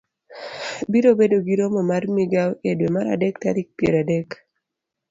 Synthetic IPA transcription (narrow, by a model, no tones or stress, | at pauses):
biɾobedoɡiɾomɔmarmiɡawedwemaɾa̰dɛk̚ta̰ɾik̚pjḛɾadɛk